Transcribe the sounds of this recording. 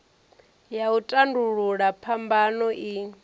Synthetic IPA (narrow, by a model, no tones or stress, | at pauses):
jautʼanduɺuɺapʰambanɔʔi